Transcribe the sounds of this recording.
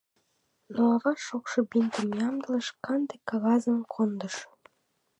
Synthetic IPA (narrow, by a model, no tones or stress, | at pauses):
noɑβɑʃokʃɤ̆bint̪əmjɑmd̪ələ̆ʃkɑnd̪ekːɑɣɑzəmkʰond̪əʃ